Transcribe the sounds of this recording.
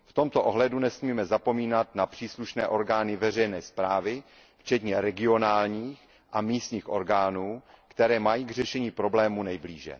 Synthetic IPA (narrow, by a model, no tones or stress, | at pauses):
ft̪o̞mt̪oʔoɦlɛdunɛsmiːmɛzapo̞miːnat̪napr̥iːsluʃnɛːʔo̞ɾɡaːnɪvɛr̝ɛjnɛːspɾaːvɪ | ft͡ʃɛt̪ɲɛɾɛɡɪo̞naːlɲiːx | ʔamiːst̪ɲiːxʔo̞ɾɡaːnuːkt̪ɛɾɛːmajiːɡr̝ɛʃɛɲiːpɾo̞blɛːmunɛjbliːʒɛ̰